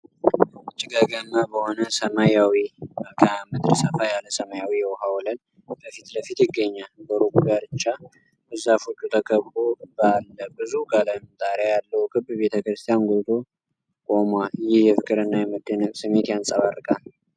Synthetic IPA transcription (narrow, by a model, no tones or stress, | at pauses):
ʊt͡ʃʼːiɡəɡənːabəho̞nəsəmajawiəkʰəamɨd̪ɾsəfajaləsəmajawijɛwɦawɔlən | bəfit̪ləfit̪jɪɡːəɲːalbəɾukʼuɡaɾɨt͡ʃːa | bəzːafut͡ʃʼːut̪ʰəkʰəβɾobəalːəbɨzukʼaləmzʼaɾajalːəhukʰɨbːβe̞t̪ʰəkɾɨst̪ʰijanɡʷot̪ʰo | kʼomwajɪhjɛfɨkʼɨɾɨnːajɛmɨd̪ːɨnəksɨmːe̞t̪jansʼəβarɨkʼal